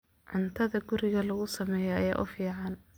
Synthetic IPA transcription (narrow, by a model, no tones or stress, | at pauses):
ʕʊnt̪ʰɐðɐɡʊɾɪɣɐlɐɣʊsɐmɛːjɛɐjaːʔʊ̰fiːʕɑn